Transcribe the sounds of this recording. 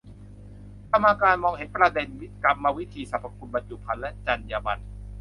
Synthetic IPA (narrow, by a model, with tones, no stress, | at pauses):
k̪a˧mːaː˧kaː˧nmɔː˧ŋhe˨˩˦npɾa˧de˧nwi˦˥t̪̚ka˧p̚maː˧wi˦˥t̪ʰiː˧sa˨˦pʰːa˧kʰu˧nba˧nt͡ɕu˨˩pʰa˧nlɛ˦˥t͡ɕa˧njaː˧ba˧n